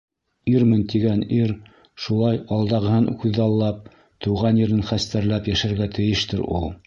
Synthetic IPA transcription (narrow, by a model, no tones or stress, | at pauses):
iɾmɘnt̪iɡæniɾ | ʃulˠɑjɑlˠd̪ɑʁɤ̆hɤnkʉðːɑlˠːɑp̚ | t̪ɤ̆wʁɑnĭɾɘnχæst̪æɾlæpjæʃæɾɡæt̪ʰɘ̆jɘʃt̪ɘɾṵlˠ